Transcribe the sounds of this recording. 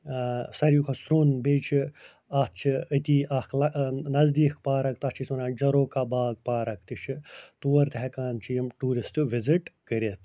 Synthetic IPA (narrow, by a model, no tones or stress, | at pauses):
sɐɾjukʰɐsɾuːnbeːt͡ʃʰi | ɐt͡ʃʰiit̪iːɐxlɐnɐzd̪iːkʰpaːɾɐk̚t̪ɐt͡ʃʰisɐnaːd͡ʒɐɾoːkabaːɡ̚paːɾɐk̚ʰt̪it͡ʃʰit̪uːɐɾt̪ɦɛkaːnt͡ʃʰijɐmʈuːɾisʈɨʋiziʈkəɾet̪